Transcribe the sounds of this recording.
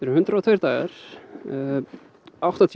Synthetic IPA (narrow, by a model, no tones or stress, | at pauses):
ɛɾʏhʏnt̪ɾaɔt̪ʰvœjɾt̪aːɣaɾ̥ | awht̪at̪ʰ